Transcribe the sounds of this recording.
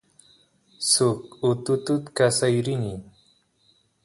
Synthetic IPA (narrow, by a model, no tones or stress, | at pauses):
sʊkʊt̪ʊt̪ʊt̪kasajɾɪnɪ